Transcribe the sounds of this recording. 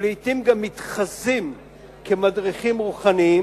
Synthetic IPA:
lit̪imɡamːitχazim | kʰemadʁiχimʁuχanii

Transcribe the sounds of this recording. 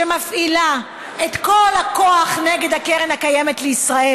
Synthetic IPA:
emafʔila | et̪ko̞lhakoaχneɡe̞d̪hakeʁenhakajemetleisʁae

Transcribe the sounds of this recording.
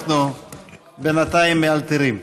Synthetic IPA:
nu | benat̪aimːealt̪iɾim

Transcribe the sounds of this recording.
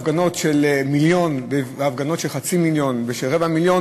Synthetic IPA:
fɡano̞tʃelmiljo̞nbevafɡano̞tʃelχat͡similjo̞nveʃelʁevamiljon

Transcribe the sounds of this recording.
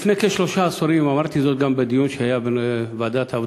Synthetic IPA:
fnekeʃloʃasoɾimamaɾt̪ʰizot̪̚ɡambad̪ijunʃehajabvad̪at̪ʰav

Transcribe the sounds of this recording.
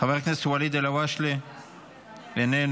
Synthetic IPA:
aveʁknasuwalid̪elawaʃle | venen

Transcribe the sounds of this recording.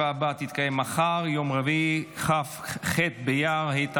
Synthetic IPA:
abat̪it̪kajemaχaʁjomʁeviχafχet̪̚bejaʁhait̪

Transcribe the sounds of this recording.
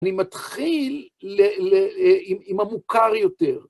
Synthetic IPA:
nimat̪χileeimimamukaʁjo̞t̪eʁ

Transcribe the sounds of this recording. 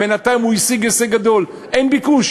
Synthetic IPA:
enat̪ajimuisiɡeseɡad̪o̞l | ʔenbikuʃ

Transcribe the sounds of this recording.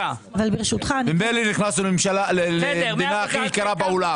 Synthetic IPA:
avalbeʁʃut̪χanmimejliniχnasulmimʃalalelemd̪inaːχikaɾabaula

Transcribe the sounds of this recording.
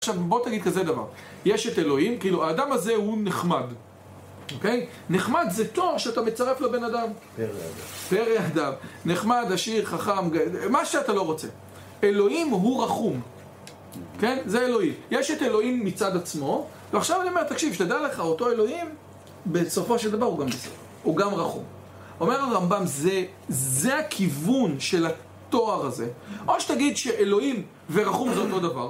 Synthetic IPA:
aʃavbo̞t̪aɡid̪̚kazedava̰ʁ | jeʃet̪e̞lo̞imkiiluaːdamazehuneχmad | oke̞j | neχmad̪zet̪o̞ʁʃeat̪ame̞t͡saʁeflabe̞nadam | peʁead̪amneχmad̪aʃiʁχaχamɡamaʃeat̪alo̞ʁo̞t͡se̞̰ | e̞lo̞imɦuʁaχum | ke̞nzeelo̞imjeʃet̪e̞lo̞imːit͡sad̪at͡smo̞ | veaχʃavaniome̞ʁt̪akʃivʃt̪ad̪aleχao̞to̞e̞lo̞im | be̞so̞fo̞ʃeld̪avaʁuɡambeso̰f | uɡamʁaχṵm | o̞me̞ʁaʁambamze | zeakʰivunʃe̞la | t̪o̞aʁaze̞ʔoʃet̪aɡid̪ʃeʔelo̞im | veʁaχumzeo̞t̪o̞d̪ava̰ʁ

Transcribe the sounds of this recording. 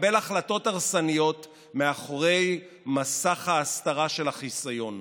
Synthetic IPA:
be̞laχlato̞taʁsanijo̞t̪ | meaχoʁe̞j | masaχhaːst̪aʁaʃe̞laχisajo̞n

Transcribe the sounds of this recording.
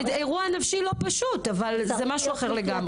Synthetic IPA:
eʁuanafʃilo̞paʃut̪avalzemaʃuaχeʁle̞ɡamʁe

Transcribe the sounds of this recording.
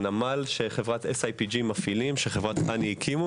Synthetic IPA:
namalʃe̞χe̞vʁat̪esajpid͡ʒimafilimʃeχevʁat̪ʔaniikʰimu

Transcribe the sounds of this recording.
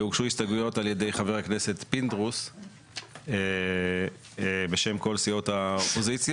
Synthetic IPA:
uɡʃuist̪aɡujo̞talje̞de̞jχaveʁakne̞se̞tpind̪ʁus | e | be̞ʃe̞mko̞lsio̞thaopo̞zit͡sja

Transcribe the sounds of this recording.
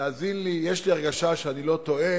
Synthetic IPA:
aːzinlijeʃliaʁɡaʃaʃeanilo̞t̪o̞e

